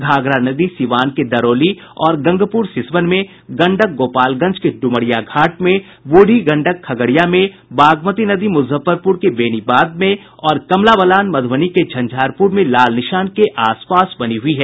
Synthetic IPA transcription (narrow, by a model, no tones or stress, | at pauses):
ɡʱaːɡɾanɐd̪isɪʋaːnked̪ɐɾoːli | ɔːɾɡɐ̃ŋɡʱəpuːɾsɪsʋənmẽ | ɡɐ̃ɳɖək̚ɡoːpaːlɡɐ̃nt͡ʃkeɖʊməɽɪjaɡʱaːʈmẽ | ʋoːɽʱiɡɐ̃ɳɖəkʰːɐɡəɽijamẽbaːɡmət̪inɐd̪imʊzəfəɾpʊɾkebeːnibaːd̪̚mẽ | ɔːɾkɐmlaʋəlaːnmɐd̪ʱʋəniked͡ʒʱɐ̃nd͡ʒʱaːɾpuɾmẽlaːlnɪʃaːnkeʔaːspaːsbɐniɦʊiɦɛː